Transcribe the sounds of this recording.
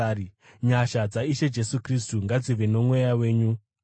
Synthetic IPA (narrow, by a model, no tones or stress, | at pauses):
i | ɲaʃad͡zaiʃe̞d͡ʒe̞sukris̬tuŋɡad͡ziʋeno̞mwe̞jawe̞ːɲu